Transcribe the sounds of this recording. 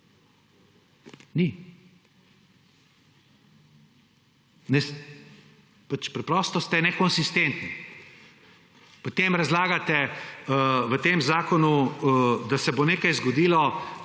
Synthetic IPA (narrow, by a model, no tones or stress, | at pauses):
ni | nɛs | pat͡ʃpɾɛpɾɔːst̪ɔst̪ɛnɛkɔnsist̪ent̪ni | pot̪emɾazlaːɡat̪ɛ | ʋət̪eːmzaːkɔnu | d̪asɛboneːkajzɡɔd̪iːlɔ